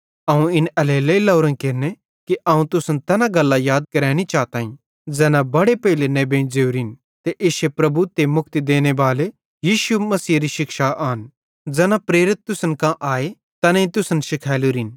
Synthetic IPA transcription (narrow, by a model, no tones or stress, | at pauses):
ɐːũɪnɐleːleilɐʊɾə̃nkɪɾne | kiʔaːũt̪ʊsənt̪ɛːnãɡɐlːajaːd̪̚kɐɾɛːɽ̃it͡ʃaːt̪aːĩ | d͡zɛːnãbɐɽepɐːɪlenẽbẽːd͡zeːuɾɪn | t̪eʔɪːʃepɾɐbut̪emʊk̚ʰt̪id̪eːñebaːle | jiːʃumɐsiːɾiʃɪkʃaʔaːn | d͡zɛːnapɾeːɾɪt̪̚ːʊsənkãʔaːe | t̪ɐnẽĩt̪ʊsənʃɪkʰɛːluɾɪn